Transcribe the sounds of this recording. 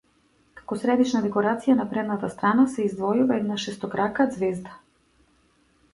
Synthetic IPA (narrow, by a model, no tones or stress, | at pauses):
kḁkɔsɾɛd̪it͡ʃnad̪ɛkɔɾat̪sijanapɾɛd̪nat̪ast̪ɾanasɛizd̪vɔjuvaɛd̪naʃɛst̪ɔkɾakad̪zvɛzd̪a